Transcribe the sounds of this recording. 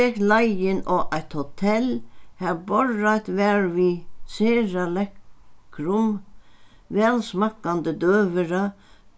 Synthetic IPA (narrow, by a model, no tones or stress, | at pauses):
ɛklajɪnɔʔajt̪hot̪ʰɛlhɛbɔɹːajt̪ʋɛːɹʋiseːɹalɛkɾʊm | vɛːlsmakːand̪əd̪øːʋəɾa